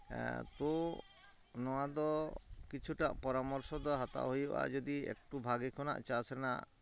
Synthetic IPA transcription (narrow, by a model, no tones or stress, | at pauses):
t̪ɔ | nɔwad̪ɔkit͡ʃʰuʈaʔpɔɾamɔɾsɔd̪ɔɦat̪a̰ɦojuba̰d͡ʒɔd̪iḛk̚ʈubʱaɡikʰɔna̰ʔt͡ʃasɛna̰ʔ